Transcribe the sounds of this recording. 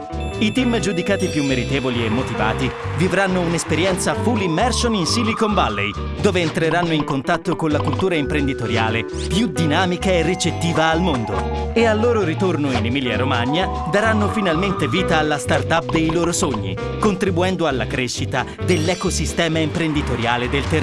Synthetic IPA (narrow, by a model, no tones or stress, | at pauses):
it̪imd͡ʒud̪ikaːt̪ipjumːeɾit̪eːvoliemːot̪iva̰ːt̪ivivɾanːounespeɾjɛnt̪safulimːɛrsoninsilikombalːḛj | d̪oːveːnt̪ɾeɾanːoiŋkont̪at̪ːokonlakult̪uːɾaimpɾend̪it̪oɾja̰ːle | pjud̪inaːmikaerːit͡ʃet̪ːiːvaːlmond̪o̰ealːoːɾoɾit̪ornoinemiːlja̰ɾomaɲːa | d̪aɾanːofinalment̪eviːt̪aːlːast̪art̪ap̚d̪ejloːɾosoɲːḭ | kont̪ɾibuɛnd̪oalːakɾeʃːit̪a | d̪elːɛkosist̪ɛːmaimpɾend̪it̪oɾjaːled̪elt̪er